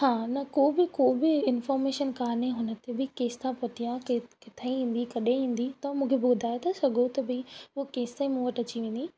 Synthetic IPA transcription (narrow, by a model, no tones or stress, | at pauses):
hãːnɐkoːbɪkoːbɪɪnfɔːɾmeːʃənkaːnẽɦʊnə̆t̪ʰebɪkeːst̪ãpot̪ʰijãkekɪt̪ʰaĩɦĩːn̆d̪ikɐɗeĩːn̆d̪it̪ɐmũːkʰebɪɡʊd̪ʱaːjet̪ʰasɐɡʱot̪ɐbɪʊokeːst̪aĩmũːʋəʈɐt͡ɕiʋẽːnd̪i